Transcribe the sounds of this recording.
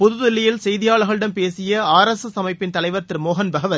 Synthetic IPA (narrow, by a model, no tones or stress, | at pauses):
pʊðʊðɪlːɪjɪlsɛjðɪjaːɭɐɣɐɭɪɽɐnpeːsɪjɐaːɾɐsɐsɐmɐɪpːɪnt̪ɐlɐɪʋɐɾt̪ɪɾmoːɦɐnbɐɣɐʋɐɾ